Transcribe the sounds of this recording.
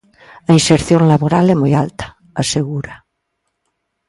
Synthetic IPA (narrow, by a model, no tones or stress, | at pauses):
ainseɾθjoŋlaβoɾalɛmojalt̪ḁ | aseɣuɾa